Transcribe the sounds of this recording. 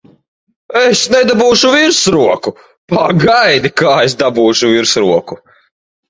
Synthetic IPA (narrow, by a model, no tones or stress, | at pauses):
esnɛd̪abuːʃuviɾsɾuɔku | paɡajd̪ikaːesd̪abuːʃuviɾsɾuɔku